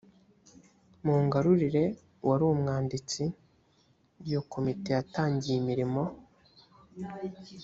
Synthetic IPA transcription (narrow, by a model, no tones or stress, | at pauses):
muːŋɡaɾuɾiɾe̞ | wʔaɾumŋaːndit͡si | jokʰo̞mite̞jataːɲɟijimiɾimo̞